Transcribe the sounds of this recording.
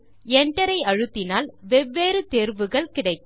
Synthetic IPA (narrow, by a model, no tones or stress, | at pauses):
ɛɳɖɐɾɐɪɐɻɯt̪ːɪnaːlʋɛʋːeːɾɯt̪eːɾʋɯɣɐɭkɪɽɐɪt̪ː